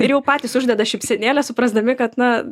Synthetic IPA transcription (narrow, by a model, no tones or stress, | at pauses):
ɪɾjɛʊpɑːtʲɪsʊʒʲd̪ʲɛd̪ɐʃʲɪpʲsʲɛnʲeːlʲɛsʊpɾɐzd̪ɐmʲɪkɐt̪nɐ